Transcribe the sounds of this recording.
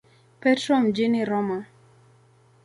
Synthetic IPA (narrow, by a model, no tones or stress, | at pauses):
pɛtɾɔmd͡ʒɪnɪɾɔma